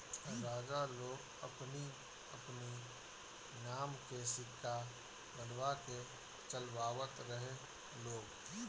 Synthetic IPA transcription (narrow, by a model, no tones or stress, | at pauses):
ɾaːd͡ʒaloːɡ | əpni | ɐpni | naːmkesɪkʰːa | bənwake | t͡ʃəlwaːʋət̪ɾəɦe | loːɡ